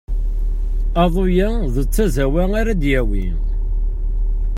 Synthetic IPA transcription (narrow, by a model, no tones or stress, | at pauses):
ɑðˤojæ | ðət͡sːæzæwæŋaɾæd̪jæwḭ